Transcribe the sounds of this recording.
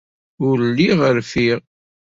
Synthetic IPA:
ʊɾlːiʁəɾfiʁ

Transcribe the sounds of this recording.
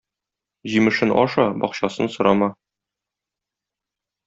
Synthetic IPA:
ʑimɘ̆ʃɘnʔɒ̰ʃɑbɒqɕɑsɤnsŏɾɑmɑ

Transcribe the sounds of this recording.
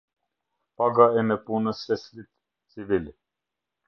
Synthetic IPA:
paɡaɛmɛpunəsɛslit̪ | t͡sivil

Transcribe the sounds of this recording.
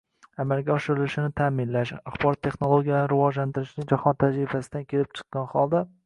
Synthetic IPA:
amalɡʲaɒʃɪɾɪlɪʃɪnɪt̪ʰaːmɪnlaʃaχbɒɾɒt̪ʰːe̞xnolˠoɡʲijanɪɾɪvɒd͡ʒlant̪ɪɾɪʃnɪŋd͡ʒahɒnt̪ʰad͡ʒɾɪfasɪd̪ankʲʰe̞lɪp̚t͡ʃʰɨ̥qːɑnχɒlˠd̪a

